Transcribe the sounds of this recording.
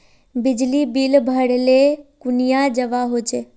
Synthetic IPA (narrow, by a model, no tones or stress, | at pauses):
bɪd͡ʒlibilbʱəɽelekunijad͡ʒəʋaɦot͡ʃʰe